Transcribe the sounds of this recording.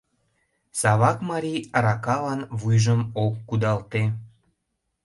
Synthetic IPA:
sɑβɑkmɑɾiɾɑkɑlɑnβujʒəmokːud̪ɑlt̪e

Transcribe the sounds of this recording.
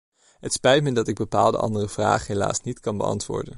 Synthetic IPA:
ɦətspɛjtmədɑtɪɡ̚bəpa̰ːlˠdə̰ʔɑ̰ndərəv̥ra̰ːχəɦela̰ːsnitkɑnbə̰ɑ̰ntʋʊ̰ːɹdə̰n

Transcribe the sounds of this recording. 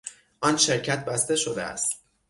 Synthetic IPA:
ʔɒːnʃe̞ɾcʰæt̪̚ʰbæst̪e̞ʃod̪ḛæ̰st̪

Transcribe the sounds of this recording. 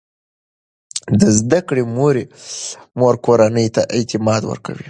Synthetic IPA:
d̪əzd̪akɽemoɾe | moɾkoɾanəjt̪aʔɪt̪ɪmɑd̪wə̰ɾka̰wi

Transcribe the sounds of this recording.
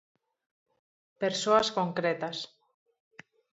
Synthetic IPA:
peɾsoaskoŋkɾet̪as

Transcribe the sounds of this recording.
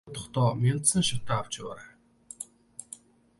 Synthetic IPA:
t̪ʰɔ̥χt̪ɔːmʲent̪sə̆ŋʃat̪aːaw̥t͡ɕɪwaːɾaː

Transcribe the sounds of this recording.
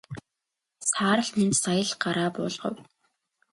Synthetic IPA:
saːɾə̆ɮnent̪sajə̆ɮɢaɾaːpʊ̰ːɮʁ̥ə̰̆w

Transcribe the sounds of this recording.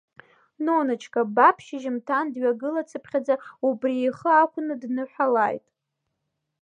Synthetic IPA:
nonat͡ʃʰkʼabapʰʃɪʒɪmtʰandɥaɡɨlat͡sʰɨpʰχʲad͡zaubrieχəakʷʰʼʊnɨdnɨħʷᶣalajtʼ

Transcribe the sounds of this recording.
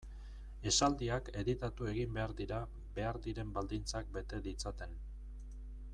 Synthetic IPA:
e̞sald̪iake̞ðit̪at̪ue̞ɣimbe̞aɾðiɾa | be̞aɾðiɾe̞mbald̪int͡sak̚be̞t̪e̞ðit͡sat̪e̞n

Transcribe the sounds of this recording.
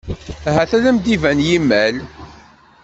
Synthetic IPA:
ɦæθæðæmd̪ivænjimːæl

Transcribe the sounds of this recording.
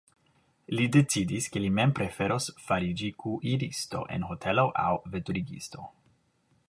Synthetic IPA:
lide̞t͡sidiskelime̞mpɾe̞fe̞ɾo̞sfaɾid͡ʒikuʔiɾisto̞̰ʔe̞̰nɦo̞tʰe̞lo̞ʔa̰wve̞tuɾiɡḭsto̞̰

